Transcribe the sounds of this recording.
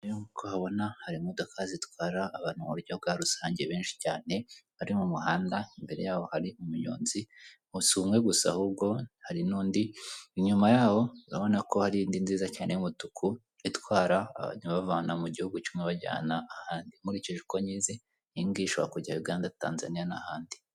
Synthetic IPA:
juŋkʰohaβo̞nahaɾimodo̞kʰazitwaːɾaːβaːn̥humuɾɟoβbɡaːɾusaːɲɟeβe̞ːnʃi̥caːne̞haɾimumuɦaːndaimbe̞ɾe̞jaːho̞haɾimumuɲo̰ːnzi | usuːmwe̞ɡusa̰hub̚ɡo̞haɾinuːndiiɲumajaːho̞uɾaβo̞nako̞haɾiiːndinziːzacaːne̞jumutukʰu | itwaːɾaːβa̰ɲ̥uβavaːnamuɟihuɡut͡ʃumeβaɟa̰ːnaːhaːndimuɾiceʒuko̞ɲiːze | iŋɡiʃoβakuɾɟajuɡaːndata̰ːnza̰nijanahaːndi

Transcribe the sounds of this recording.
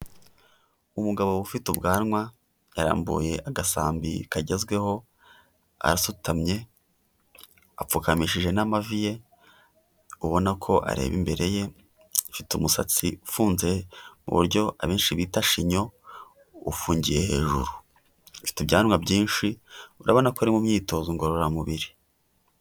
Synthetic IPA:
umuɡaβo̞ufitubɡaːnŋwa | jaɾa̰ːmbṵːje̞ʔaɡasaːmbḭkaɟe̞zɡwe̞ho̞ | a̰ɾasutamɲe̞ | ap͡fukamiʃiʒe̞namavije̞ | uβo̞nakʰo̞ʔa̰ɾe̞̰ːβimbe̞ɾe̞je̞ | fitumusa̰t͡siufuːnze̞mṵβṵɾɟo̞ʔa̰βeːnʃiβitaʃiɲo̞ | ufuːɲɟije̞he̞̰ːʒṵɾu | fi̥tibɟaːnwabɟiːnʃiuɾa̰βo̞nakoɾimumɲiːto̞ːzoŋɡoɾoɾamuβiɾi

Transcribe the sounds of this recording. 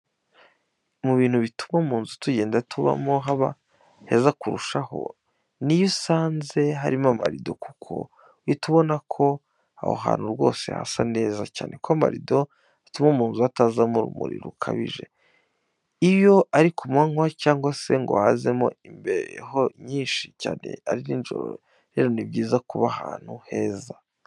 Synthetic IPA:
muβiːn̥huβitumomuːnzutuɟe̞ːndatʰuβa̰mo̞ɦaβa̰ | hezakuɾuʃaho̞̰ | nijusaːnze̞ɦaɾimama̰ɾido̞kukʰo̞̰ | wituβo̞nakʰo̞ | a̰ho̰ɦa̰ːn̥huɾɡo̞̰ːse̞̰ha̰sa̰ne̞ːzaca̰ːnʔe̞kwama̰ɾido̞ | atumomuːnzuatazamuɾumṵɾḭɾukʰaβiʒe̞ | ijo̞aɾikumaŋwacaːŋɡwase̞ŋɡohazemo̞imbeɾeɦoɲiːnʃi̥caːne̞̰aɾiniːnʒo̰ɾo | ɾe̞ːɾo̞nibɟiːzakuβahaːn̥huhe̞ːza

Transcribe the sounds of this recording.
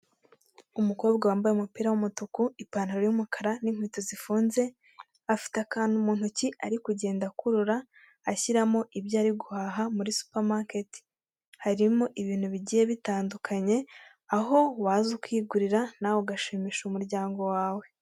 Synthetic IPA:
umuko̞ːb̚ɡawaːmbajeumupiːɾawumutukuipaːnhaɾojumukaɾaniŋ̥hwiːtozifuːnze̞ | afi̥takaːnumuːnhuciʔaɾikuɟe̞ːndakuɾuɾaː | çiɾamo̞ʔibjaːɾiɡuhaːɦamuɾisu̥paɾmaketi̥ | haɾimoʔiβiːn̥huβiɟije̞βitaːndukʰaɲe̞ | aɦo̞waːzukwiːɡuɾiɾanawoɡaʃemiʃumuɾɟaːŋɡo̞waːwe

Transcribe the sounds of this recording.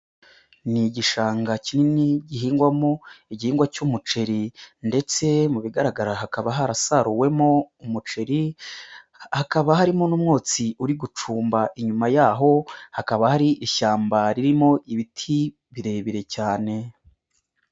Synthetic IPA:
niɟiʃaːŋɡacininiɟiɦiːŋɡwamoiɟihiːŋɡwacumut͡ʃe̞ɾinde̞t͡se̞muβiɡaɾaɡaɾaɦakaβaɦaɾasaɾuwe̞moumut͡ʃe̞ɾi | hakaβaɦaɾimonumŋoːt͡siuɾiɡut͡ʃuːmbaʔiɲumajaːɦo̞hakaβahaɾiʔiʃaːmbaɾiɾimo̞ʔiβitʰi | βiɾe̞βiɾe̞caːne̞

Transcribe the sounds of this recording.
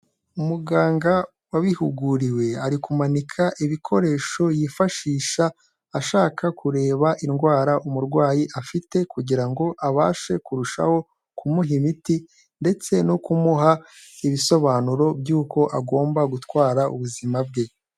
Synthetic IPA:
umuɡaːŋɡa | waβihuɡuɾiwe̞aɾikumanikʰaʔiβikʰo̞ɾe̞ːʃo̞jiːfaʃiːʃaː | ʃaːkʰakʰuɾe̞ːβaʔinɡwaːɾaʔumuɾɡwaːjiʔafite̞kuɟiɾaŋɡo̞ʔaβaːʃe̞kuɾuʃa̰ho̞ | kʰumuɦimiti | nde̞t͡se̞nokumuɦa | iβiso̞βaːnuɾo̞bjuːko̞ʔaɡo̞ːmbaɡutwaːɾaʔṵβuzimab̚ɡe̞

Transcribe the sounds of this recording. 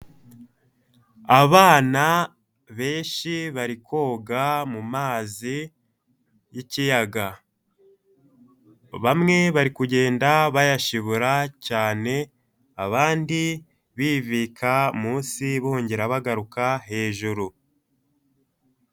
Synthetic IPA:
aβaːna | βe̞ːnʃiβaɾiko̞ːɡamumaːzi | jicijaɡa | βamŋe̞βaɾikuɟe̞ːndaβajaʃiβuɾacaːne̞ | aβaːndi | βiːviːkʰamuːnsiβuhoːɲɟeɾaβaɡaɾukaɦe̞ːʒuɾu

